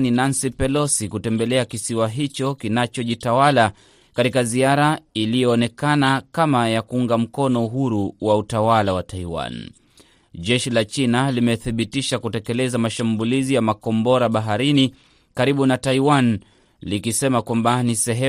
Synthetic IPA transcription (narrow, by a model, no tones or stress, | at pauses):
ninansipɛlɔsikutɛmbɛlɛakisiwaɦit͡ʃɔkinat͡ʃɔʄitawala | katikaziaɾailijɔːnɛkanakamajakuuŋɡam̩kɔnɔuɦuɾuwautawalawataiwa̰n | ʄɛʃilat͡ʃinalimɛθiɓitiʃakutɛkɛlɛzamaʃambulizijamakɔmbɔɾaɓaɦaɾini | kaɾiɓunataiwan | likisɛmakwambanisɛɦɛ